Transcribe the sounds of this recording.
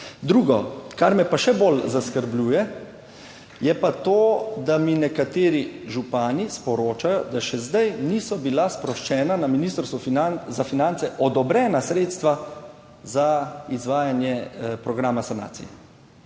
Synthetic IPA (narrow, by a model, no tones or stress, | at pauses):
d̪ɾuːɡɔkaɾmɛpaʃɛbolzaskəɾblʲuːjɛ | jɛpat̪oːd̪aminɛkat̪eːɾiʒupaːnispɔɾoːt͡ʃajɔd̪aʃɛzd̪ajniːsɔbilaspɾɔʃt͡ʃɛːnanaminist̪ɾst̪ʋufinazafinant̪sɛʔɔd̪ɔbɾɛːnasɾeːt̪st̪ʋa | zaizʋaːjanjɛpɾɔɡɾaːmasana̰ːt̪sḭjɛ̰